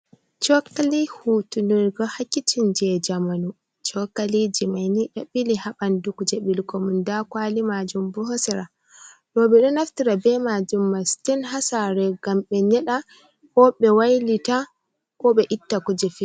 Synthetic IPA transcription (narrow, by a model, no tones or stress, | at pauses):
t͡ʃɔkalihutuliɾɡɔhakːit͡ʃind͡ʒɛd͡ʒamanu | t͡ʃɔkalid͡ʒimajniɗɔɓilihaɓandukud͡ʒɛbilkɔmundakwalimad͡ʒumbɔɦɔsɛɾa | ɗɔɓɛɗɔnaftiɾabɛmad͡ʒumːastinɦasaɾɛɡ̥amɓɛɲɛɗa | kɔɓɛwajlita | kɔɓɛʔitːakud͡ʒɛfi